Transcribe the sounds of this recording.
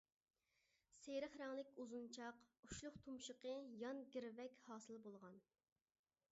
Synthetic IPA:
seɾəχɾɛŋlˠɪkʲuzunt͡ʃʰɑquʃlˠʊqt̪ʰumʃəqəjɑnɡʲiɾvɛkʲhɑːsɨlˠbolˠʁɑn

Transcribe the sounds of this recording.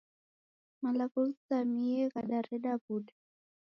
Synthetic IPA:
malakulsamiɛkaɗaɾɛɗabuɗa

